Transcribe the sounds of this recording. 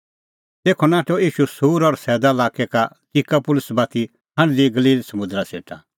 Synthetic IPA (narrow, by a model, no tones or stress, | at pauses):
t̪eːkʰɔnaːʈʰɔiːʃusuːɾɔɾsɛːd̪alaːkɛka | t̪ikapʊlʊsbaːt̪ʰi | ɦɐ̃ɽ̃liɡɐliːlsɐmʊ̃d̪ɾasḛːʈʰa̰